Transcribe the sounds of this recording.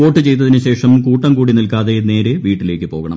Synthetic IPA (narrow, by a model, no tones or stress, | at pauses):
o̞ːʈːɨt͡ɕe̞jt̪ːɐðinɨɕe̞ːʂɐmkuːʈːɐmkuːɽinilkaːðe̞ne̞ːɾeʋiːʈːile̞ːkʲːɨpo̞̰ːɣɐɳɐ̰m